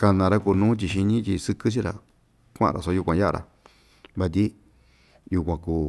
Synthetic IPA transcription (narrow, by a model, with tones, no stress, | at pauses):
ka˧nã˧ɾa˦ku˧˨nũː˦t̪̬ʲi˧ʃi˧ɲĩ˦t̪i˧sɨ˧kɨ˦t͡ʃ̬i˦ɾa̰˨ | kʷã̰˦˨˧ɾa̰˨so˧˦u˧kʷã˧ja˦ʔa˧ɾʔa̰˨ | βa˧t̪̬ʲi˦ | ju˧kʷã˧kuː˧˨